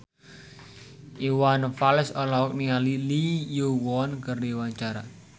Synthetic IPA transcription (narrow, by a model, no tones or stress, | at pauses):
ʔiwanfalɛsɔlɔɔk̚niŋalilijowɔnkəriwant͡ʃaɾa